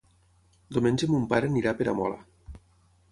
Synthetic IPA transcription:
d̪omenʲd͡ʒemumpaɾeniɾapeɾa̰mɔ̰la̰

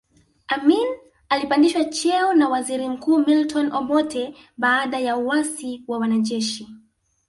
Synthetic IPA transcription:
amin | alipandiʃwat͡ʃɛɔnawaziɾim̩kuːmiltɔnʔɔmɔtʰɛ | ɓaːɗajauwasiwawanaʄɛʃi

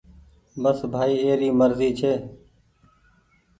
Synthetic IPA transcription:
bəsbʱaːiːeːɾiːməɾziːt͡ʃʰeː

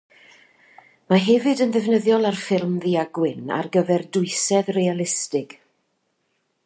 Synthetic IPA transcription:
maɦɛvɨdənðɛvnəðjɔlˠarfɪlˠmðiaɡwɪna̰rɡəvɛrdʊɨsɛðrejalˠɪstɪɡ̥

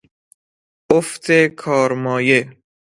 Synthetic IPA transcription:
oft̪ʰekʰɒːɾmɒːje

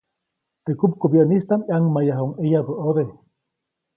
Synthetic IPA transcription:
t̪ekup̚kobjanist̪amiaŋmajaɦoŋʔejabəʔoðe

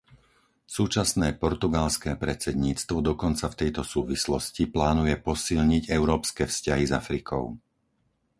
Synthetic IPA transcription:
suːt͡ʃasnɛːpɔɾt̪uɡalskɛːpɾɛt͡sɛd̪ɲiːt͡st̪ʋɔd̪ɔkɔnt͡saft̪ɛjt̪ɔsuːʋislɔsciplaːnujɛpɔsilɲiɟɛʊɾɔːpskɛːfscaɦiza̰fɾikʰɔ̰ʊ

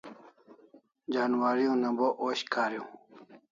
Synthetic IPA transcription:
d͡ʑaːnwaːɾijõːnɐ̃boʔoːɕkaːɾjõː

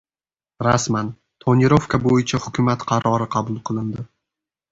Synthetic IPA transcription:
ɾasman | t̪ʰonɪɾofkʰabojɪt͡ʃʰahʊkʰʲʊmat̪qʰɑɾɒɾɪqʰɑbʊlˠqʰɨlˠɪnd̪ɪ

